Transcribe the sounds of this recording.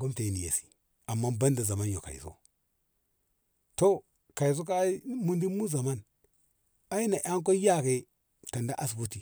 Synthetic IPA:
ɡo˦mta˨i˨ni˨jḛ˨si̥˨ | a˨mːa˦ba˦nda˨za˨ma˦njo̰˨ka̰˨ḭ˨so̰˦ | to˦ | ka˨i˨s̬o˦k̬a˦mu˦ndi˦mu˦za˨ma˦n | a˦ji˦na˨ʔa˦ŋk̬o˦ja˦ke˨ | ta˨nda˦ʔa˦s̬ɡu˦ti˨

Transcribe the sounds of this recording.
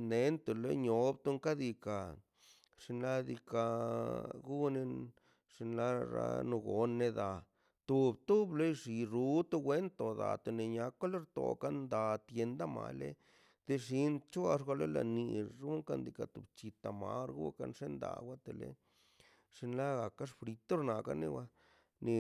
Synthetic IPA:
ne˨nt̪u˨lḛ˦ɲo˨˦bt̪u˦ŋka˦d̪i˧ka˨ | ʂi˧nla˦d̪i˧ka˧ | ɡu˦ne˧ | ʂi˧nla˦ɾa̰˧nu˧ɡo˨nːe˧d̪a˨ | t̪u˧bt̪u˦ble˦jʂi˨ɾu˦t̪u˦ɡwe˦nt̪o˨d̪a̰˨t̪o˧˨ne˨ɲa˧˦ka˦le˦ɾt̪o̰˨ka˦nd̪a˨t̪je˧nd̪a˦ma̰˨lḛ˦ | d̪̥e˧ʂi˦nt͡ʃa˧ʂ̬ɡʷa˧le˦la̰˨ni˧ɾu˦ŋka˦˧nd̪i˧ka˨t̪u˨bt͡ʃi˧t̪a˨ma̰˧˦ɾɡṵ˦ka̰˧nʂe˦nd̪a̰˨wʷa˦t̪e˨lḛ˦ | ʂi˧nla˦ɡa˨ka˦ʂfɾi˧t̪o˦ɾna˨ka̰˦ne˦˧wa˧ | ni˧

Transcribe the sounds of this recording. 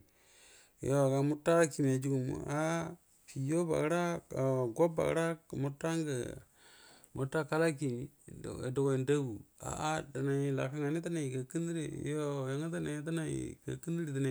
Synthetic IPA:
o˨ɡa˨mu˦tːa˦a˦ki˨m˨a˨d͡ʒu˦ɡu˨mṵ˨a˦ | pi˨jo˦ba̰˨ɡɾa˦˨ɡo˦ba̰˨ɡ̰ɾa˦˨mu˨˦tːa˦ŋɡə̰˨ | mu˨tːa˦ka˦la˦kḭ˨ḛ˨do˨ɡo˨i˨nda˦ɡu˨a̰˨ʔa˦da˨na˨la̰˨ka˦ŋa˨ni˦ta˦na˨i˨ka˨ki˦ndi˦ɾḛ˨˦jo˦˨ja˨˦ŋ˦t̬a˦na˨˦t̬a˦na˨ḭ˨ka̰˨ki˦ndi˦ɾi˨ta˨na˨

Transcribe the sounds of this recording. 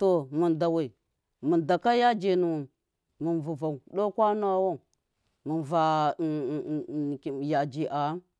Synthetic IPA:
to˨mu˨nda˨wa˨i˨ | mə˨nda˨ka˦ja˦d͡ʒe˨nu˨wu˨m | mə˨nvu˨va˨u˨ɗo˦kʷa˦n˦a˦wo˦˨ | mə˨nva˨ | ja˨d͡ʒi˨ʔa˨˦n

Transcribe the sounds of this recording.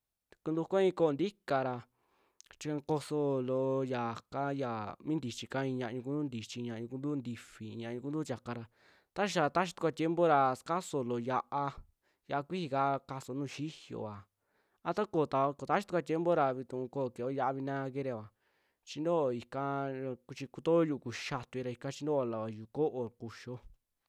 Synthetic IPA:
ku˧nd̪u˧kʷa˦ĩ˧ko˦o˧nd̪i˦ka˧ɾa˧ | t͡ʃi˧ã˧ko˧so˧lo˧ja˨ka˦ja˨mĩ˦nd̪i˨t͡ʃi˧ka˧˦ĩ˧ɲã˧ʔɲũ˧ku˧˦d̪u˦nd̪i˨t͡ʃi˧ɲã˧ɲũ˧ku˧nd̪u˦˧nd̪i˧fi˨˧ɲã˧ɲũ˧ku˧nd̪u˦t͡ʃʲa˨ka˧ɾa˧ | t̪a˦ʃʃa˧t̪a˦ʃi̥˧t̪u˧ka˧t̪je˦mbo˦ɾa˧ska˦so˧lo˨ja˧ʔa˧ | ja˧ʔa˧kʷi˦hi˧ka˦ka˧so˧nũː˦˨ʃi˦hjo̰˨a˨ | a˧t̪a˦ko˨t̪a˧ko˧˨t̪a˦ʃi˧˦t̪u˧kʷa˧t̪je˦mbo˦ɾa˧βi˧t̪ũ˧ko˦˨ke˨o˦ja˧ʔa˧βi˧nã˦˧ke˦ɾe˧˨βa˨ | t͡ʃi˧nd̪o˦˧˨i˧ka˧ku˧t͡ʃi˧ku˧t̪o˦ju˧ku˨ʃa˧t̪u˧i˧ɾa˧i˧kã˧t͡ʃi˧˦nd̪o˦a˧˨la˨a˨ju˧ko˦ʔo˧˨ku˧ʃo˦

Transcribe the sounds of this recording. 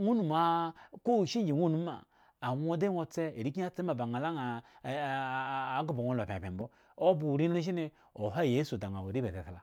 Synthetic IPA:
ŋu˦nu˨ma˨ko˦˨ʃi˦d͡ʒi˨wu˦nu˦ma̰ː˨ | wo˦de˦ŋo˦t͡se˦e˨ɾi˦k̬i˦a˦t͡se˦ma˨ba˨ŋa˨la˦ŋa˨˦ | ɡu˨bo˨ŋo˦lo˨pʲpe˨mbo˦ | o˦bu˨ɾi˦n˦u˦ʃ̬i˦ne˦ | o˨ɦa˦˨je˦su˨da˨ŋa˨wo˨ɾi˦be˨te˨ta˨la˨

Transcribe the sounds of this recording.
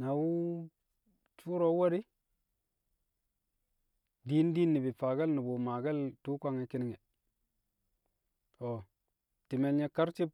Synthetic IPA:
na˨wu˦ | t͡ʃu˦ɾo˦wa˦ɾi˦ | di˦n˦di˦nːi˨bi˨fa˨ɡa˦lni˨bo˨ma˨ɡa˦ltu˦kʷa˦ŋe˨ki˦ni˦ŋe˨ | o˨ | ti˨me˨lɲe˦ka˦ɾt͡ʃi˦b̚

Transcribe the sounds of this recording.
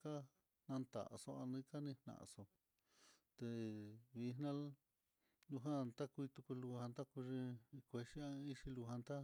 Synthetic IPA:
ka˦ | nã˧nt̪a̰˨ʔso˧a˧nĩ˦ka˦nĩ˧hnã̰˨ʔso˧ | t̪e˧βi˧nã˦l | lũ˧ɦã˦˧t̪a˦kʷu˧i˧t̪u˧ku˧lu˧hã˧nt̪a˦ku˧ʐĩ˧kʷe˧ʂi˦ã˧i˦ʂi˧lu˧ɦã˧nt̪a˦

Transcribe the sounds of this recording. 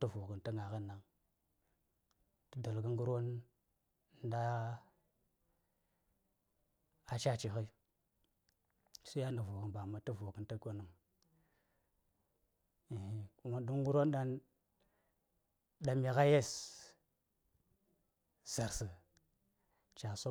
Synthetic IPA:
tə˦vu˨kə˨ntə˦ŋa˨ɣə˦na˨ŋ | tə˦da˨lɡə˦ŋɡu˦ɾo˦n˦ | da˦ | a˨t͡ʃa˦t͡ʃi˨xə˦˨ | su˦ja˦na˨vu˨kə˨nba˨ma˨tə˦vo˨kə˨ntə˦ɡo˦nu˦ŋ | i˨hi˦ku˦ma˦du˦ŋ˦ɡu˦ɾo˦n˦ɗa˦n | da˨mi˨ɣa˦je˦s | z̥a˨ɾsə˨ | t͡ʃa˨so˦

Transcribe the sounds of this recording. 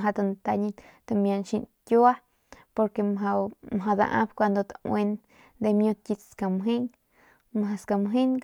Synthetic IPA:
ɦa˧d̪a˧˨nt̪a˧ɲi˧ | t̪a˧˨mja˧˨nʃi˧nkʲu˦a˦ | po˧ɾke˧mɦa˧mɦa˧d̪a̰˧ʔã̰˦bkʷa˧nd̪o˧t̪awe˧n | d̪e˧mjo˧t̪̚kʲi˧t͡sska˧˨mɦe˦n | mɦa˧ska˨mɦe˦n

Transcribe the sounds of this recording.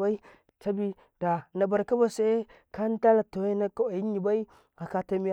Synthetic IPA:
a˦i˦ | ta˦bi˦ | d̥a˨na˨ba˨ɾka˦ba˨se˦ | ka˦n˦ta˦la˨to˨˦na˦ka˦a˨i˦ɲi˨ba˦i˦ | a˨ka˨ta˦mi˦

